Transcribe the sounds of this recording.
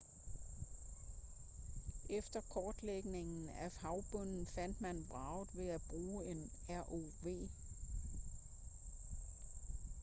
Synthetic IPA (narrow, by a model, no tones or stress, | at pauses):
ʔefd̥ɐkʰɒːd̥leɡ̥ne̝ŋn̩æhɑ̈ʊb̥ɔ̽n̰n̩fæn̰d̥mænb̥ʁɑ̈ʊð̩ˠʋe̝æb̥ʁuːe̝næɐʔoʋe̝̰ː